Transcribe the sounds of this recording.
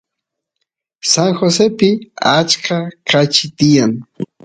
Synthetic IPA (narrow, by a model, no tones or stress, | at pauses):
saŋxosepɪat͡ʃkʰakat͡ʃɪt̪ɪjaŋ